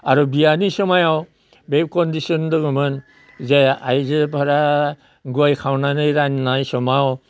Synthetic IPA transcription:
aɾubianisɔmajaw | bekɔndisɔndɯɡɔmɯn | zɛajzɯpʰaɾa | ɡuajkʰawnanɯjɾanːajsɔmaw

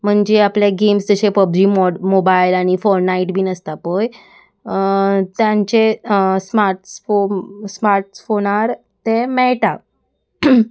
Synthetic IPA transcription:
m̤əɳd͡ʑeapljaɡemsd͡z̪əɕepəb̚d͡ʑiːmɔmobajlaɽ̃ifɔɾnaiʈbʱiːnəst̪apoj | t̪jãɲt͡ɕesmaɾʈsfosmaɾʈfoñaɾ | t̪emɛɭʈa

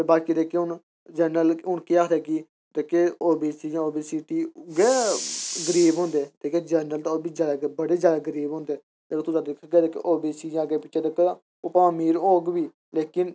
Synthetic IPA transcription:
baːkiːd̪eːkeːʊn | d͡ʒəɾnəlʊnkiaːt̪ɛːki | d̪eːkeːoːbiːsiːjãːoːbiːsiːʈiːɡɛːɡəɾiːbɦõːnd̪eːt̪eːkeːd͡ʒəɾnəlt̪aoːbiːd͡ʒaːd̪aːbəɽeːd͡ʒjaːd̪aːɡəɾiːbɦʊ̃ːnd̪eː | d̪eːloːt̪ʊsãːd̪ɪkʰːɡɛːd̪eːkḛʔoːbiːsiːd͡ʒãːɡeːpɪt͡ʃːʃeːd̪ekə | oːpaːmiːɾoːɡbiː | leːkɪn

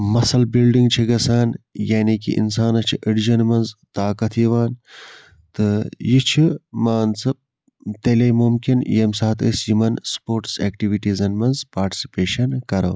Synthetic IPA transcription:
mɐsɐlbilɖiŋɡt͡ʃʰiɡɐsaːnjaːnikḭʔḭnsaːnɐt͡ʃʰiʔiɖd͡ʒɐnmɐnzt̪aːkɐt̪ʰjiʋaːn | t̪ɨjit͡ʃʰimaːnsɐp̚ | t̪elejmumkinjɐmsaːt̪ə̰sjimɐnspoːɾʈseːkʈiʋiʈizɐnmɐnzpaːɾʈi̥si̥peːʃɐnkɐɾɐ̰w

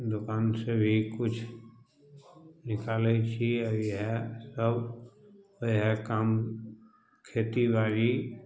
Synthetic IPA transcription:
d̪ʊkaːnsebʱikʊt͡ʃʰ | nɪkaːleit͡ʃʰiəiɦɛsəb | iɦɛkaːm | kʰeːt̪ibaːɾi

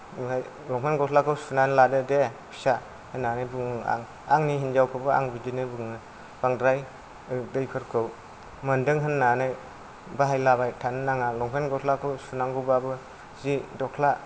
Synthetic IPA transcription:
aj | lɔŋpʰenɡɔtʰlakʰɯwsunanladɯdepʰi̥sa | hɯnːanajbɯŋɯa̰ŋ | aŋniɦind͡ʒawkʰɯbɯa̰ŋbidinɯbɯŋɯ | b̥aŋdɾaj | ɯdɯjpʰɯɾkʰɯw | mɐndɯŋɦɯnːanaj | baɦajlabajtʰanɯnaŋalɔŋpʰenɡɔtʰlakʰɯwsunaŋɡɯbabɯ | zidɔkʰla

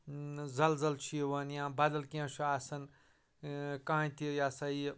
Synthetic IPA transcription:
zɐlzɐlt͡ʃʰiwɐnjãbad̪ɐlkẽsʰuaːsɐn | kãɦãjt̪ijaːsɐi

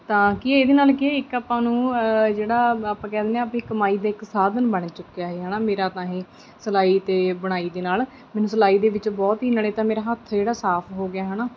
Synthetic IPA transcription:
t̪ãːkɪeːd̪eːnaːlkɪeːɪkaːpãːnũːd͡ʒeːɽaːaːpãːkɛːd̪eːnẽːaːpĩːkəmaːiːd̪aːɪksaːd̪ənbəɳ̃t͡ʃʊkːejaːɦeːɦɛːnaːmeːɾaːt̪ãːɦẽː | səlaːiːt̪eːbəɽ̃aːiːd̪eːnaːl | mɛ̃ːnũːsəlaːiːd̪eːʋɪt͡ʃbɔːt̪ɦiːnəɽeːt̪ãːmeːɾaːɦət̪ʰd͡ʒeːɽaːsaːpʰɦoːɡɪjaːɦɛːnaː

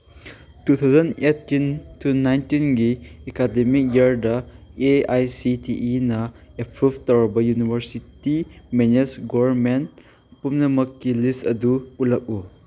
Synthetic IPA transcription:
tut̪ʰawzɐnetːintunajntinɡiekademik̚jaɾdɐeajsitʰiʔːnɐepʰiptɔɹbɐjunibʱəɾsitimenesɡɔɾment | pumnɐmɐkːilistɐduulɐk̚u

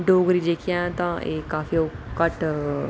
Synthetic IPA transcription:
ɖoːɡɾiːd͡ʒeːkʰɪjãːt̪ãːʔeːkaːfioːkəʈ

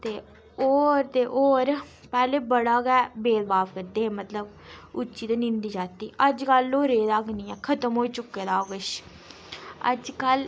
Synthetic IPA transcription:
t̪eː | oːɾt̪eːʔoːɾpɛːleːbəɽaːɡɛːbeːlbaːʋkəɾd̪eːẽːmət̪ləb | ʊt͡ʃːt͡ʃiːd̪eːnɪ̃nd̪iːd͡ʒaːt̪iːəd͡ʒkəlːoːɾeːd̪aːkniːɛːkʰət̪əmɦoːiːt͡ʃʊkːeːd̪aːoːɡəʃ | ə̰d͡ʒkəl

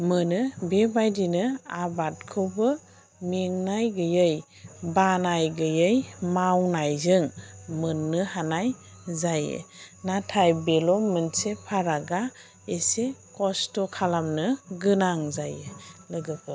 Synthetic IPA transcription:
mɯnɯbebajdinɯabat̚kʰɯwbɯ | meŋnajɡɯjɯj | banajɡɯjɯjmawnajzɯŋmɯnːɯhanaj | zajḛnatʰajbelɔmɯnsepʰaɾaɡa | esekɔstɔkʰalamnɯɡɯnaŋzajelɯɡɯpɯ

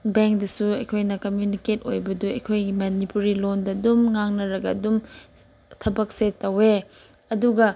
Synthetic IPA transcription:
beŋk̚dɐsuɐjkʰojnɐkɐmjuniketo̰jbɐduɐ̰jkʰojɡimɐnipuɾilondɐdumŋaŋnɐɾɐɡɐɐdum | tʰɐbɐk̚setːɐwe | ɐduɡɐ

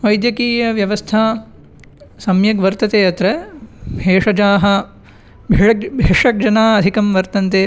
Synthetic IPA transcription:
ʋɐjd̪jɐkiːjɐʋjɐʋɐst̪ʰaː | sɐmjɐɡʋɐɾt̪ɐt̪eːɐt̪ɾɐbeːʂɐd͡ʒaːɦɐ | bʱɐbʱeʂɐk̚d͡ʒɐnaːɐd̪ʱikɐmʋɐɾt̪ɐnt̪eː

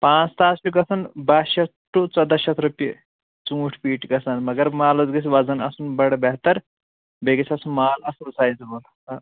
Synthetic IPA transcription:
pãt͡st̪aːt͡sʃuɡɐsɐnbaɕɐt̪ | ʈːut͡sɐd̪ɐɕɐt̪ɾupje | t͡sũːʈʰpiːʈɡɐsanmɐɡɐɾmaːlɐt͡sɡɐs̬ʋɐd͡zɐnɐsuːnbɐɽbɛɦt̪ɐɾ | beɡit͡sʰɐsumaːlɐssaːjd͡zbɐl

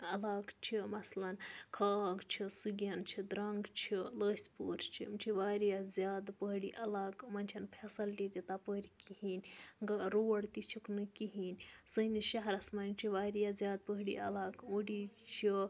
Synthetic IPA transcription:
ɐlaɡt͡ʃʰimɐslɐnkʰaːɡt͡ʃʰisuɡʲjɐnt͡ʃʰid̪ɾɐŋɡt͡ʃʰiləːsʲpo̰ːɾst͡ʃʰḭmt͡ʃʰiʋaːɾijazʲjaːd̪pəɦɽḭʔɐlaːɡmɐnʲt͡ʃʰɐnpʰesɐlʈit̪ʲit̪apəɾikiɦinʲɡɐɾoɐɽt̪it͡ʃʰiknɨkiɦinʲsəniʃɐɦɾɐsmɐnimt͡ʃʰiʋaːɾjazʲjaːd̪̚pəɦɽḭɐ̰laːɡoɽit͡ʃʰi

